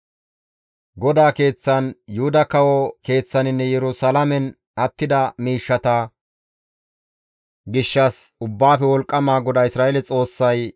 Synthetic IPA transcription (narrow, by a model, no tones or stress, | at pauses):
ɡɔd̪aːke̞ːt͡sːɐnjʊhʊd̪ɐkɐwɔke̞ːt͡sːɐnɪnːɛjɛɾʊsɐlɐmɛn | ʔɐt̪ːɪd̪ɐmiːʃːɐt̪ɐ | ɡɪʃːɐsʊbːaːfɛwɔlkʼːɐmaːɡɔd̪aːɪsɾaːʔelɛt͡sʼo̞ːsːɐj